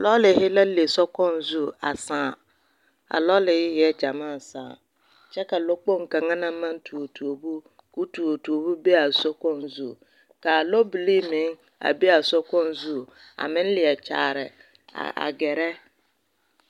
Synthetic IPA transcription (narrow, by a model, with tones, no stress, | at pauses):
lɔ˦lɪ˨hɪ˦la˦le˨sɔ˦kɔ̃˦nzu˦a̰˨sãː˦˨ | a̰˨lɔ˦lɪ˨hɪ˦jɛ˦d͡ʒa˨mãː˦˨saː˨ | t͡ʃɛ˦ka˨lo˦k͡po˦ŋ̩˨kã˨ŋã˦nã˦m˦mã˦n̩˦tʰu˨o˨tʰu˨o˨bu˦ | ku˦tu˨o˨tu˨o˨bu˦be˦a˨sɔ˦kɔ̃˦n˨zu˦˨ | ka˨lo˦bi˨li˦mɪ̃˨˦ŋ | a̰˨bi˦a˨sɔ˦kɔ̃˦n˦zu˦˨ | a̰˨mɪ̃˦n̩˦lɪ˨ɛ˨t͡ʃʰa̰ː˨ɾɪ˨ | a̰˨a̰˨ɡɛ˨ɾɛ˦